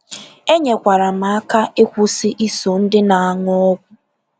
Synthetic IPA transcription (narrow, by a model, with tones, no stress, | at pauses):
e˦ɲe˨kʷa˨ɾa˨ma˨˦a˦ka˦e˦kʷʊ˦sɪ˦ʔi˦so˨n̩˦dɪ˦na˨a˨ŋɔ˦ɔ˦ɡʷʊ˦